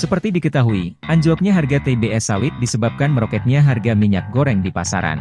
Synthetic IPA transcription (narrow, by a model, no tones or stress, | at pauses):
səpərt̪idikət̪aɦuiʔaɲd͡ʒuwap̚ɲaɦarɡat̪ebeɛsawɪt̪̚disəbap̚kanməɾokɛt̪̚ɲaɦarɡamiɲa̰k̚ɡoɾɛŋdipasa̰ɾa̰n